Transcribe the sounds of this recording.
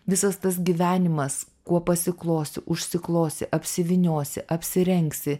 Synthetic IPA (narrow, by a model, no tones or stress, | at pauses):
ʋʲɪsɐst̪ɐs̬ɡʲiːʋʲæːnʲɪmɐs | kuɔpɐsʲɪklˠoːsʲɪʔʊʃʲsʲɪklˠoːsʲɪʔɐpʲsʲɪʋʲɪnʲoːsʲɪʔɐpʲsʲɪɾʲɛŋksʲɪ